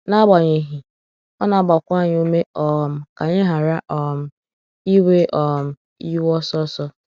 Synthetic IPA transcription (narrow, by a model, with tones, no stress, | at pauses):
na˦ba˨ɲe˨ɦi˨ | ɔ˦na˨ba˨kʷa˦˨ɲ˦o˦me˦ɔ˨m̩˨ka˨ɲɪ˦ɦa˨ɾa˦ʔɔ˨m̩˦ | i˦we˦ʔɔ˨m̩˨ | i˦wɔ˦sɔ˦sɔ˦